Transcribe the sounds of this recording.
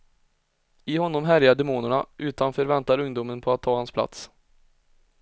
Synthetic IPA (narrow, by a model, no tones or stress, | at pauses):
ɪhɔnːɔmɦæɾjaɖ̪ɛmuːnəɳaʔʉ̟ːt̪anfœːɾvɛnt̪aɾɵŋd̪uːmənpʰɔat̪ʰːɑːhanspʰla̰t̪s